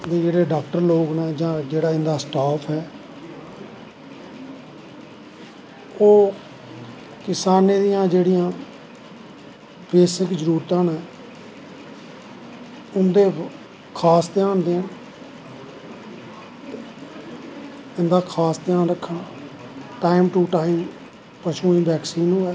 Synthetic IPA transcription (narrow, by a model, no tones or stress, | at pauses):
d̪eːd͡ʒeːɽeːɖaːk̚ʈəɾloːɡnɛ̃ːd͡ʒãːd͡ʒeːɽaːɪ̃nd̪aːsʈaːpʰɦɛː | oː | kɪsaːneːd̪ijãːd͡ʒeːɽɪjãː | beːsɪkd͡ʒəɾuːɾt̪ãːnẽː | ʊnd̪eː | kʰaːst̪ɪjãːnd̪eːə̃n | ɪ̃nd̪aːkʰaːst̪ɪjaːnɾəkʰːãː | ʈaːɪmʈuːʈaːɪm | pəʃũːĩːbɛːksiːnũːɛː